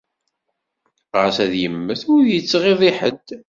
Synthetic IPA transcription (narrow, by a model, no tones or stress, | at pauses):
ʁəɾsæðjəmːəθʊɾðjət͡sːʁiðˤiħə̰d̪